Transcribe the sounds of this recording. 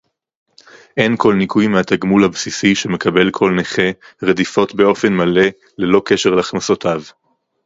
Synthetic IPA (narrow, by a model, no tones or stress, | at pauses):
ʔe̞nko̞lnikujmeat̪aɡmulhabsisiʃe̞me̞kabe̞lkʰo̞lneχeʁedifo̞tbe̞o̞fe̞nmale̞ | le̞lo̞ke̞ʃeʁleaχnaso̞t̪ʰav